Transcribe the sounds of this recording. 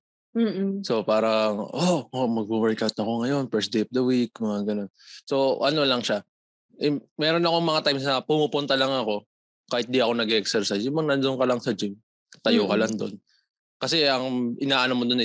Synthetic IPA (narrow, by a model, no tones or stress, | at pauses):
m̩ːso̞paːɾɐŋʔomɐɡ̚buwɛɹkawt̪̚ɐko̞ŋɐjo̞nfɛɹsd̪ejɐfd̪ɐwikmɐŋaɡɐno̞nso̞ʔɐno̞lɐŋʃa | ʔɛmɛɾo̞nɐkoŋmɐŋat̪ajmsnɐpumupʊnt̪ɐlaŋɐko̞ | kaːhɪt̪̚d̪iɐko̞nɐɡɛʔɛksɛɾsasjʊmɐŋnɐnd̪oŋkɐlɐŋsɐd͡ʒɪm | t̪ɐjokɐlaŋd̪o̞̰n | kɐsɛɐŋʔɪnaːʔɐnomod̪ʊnɪ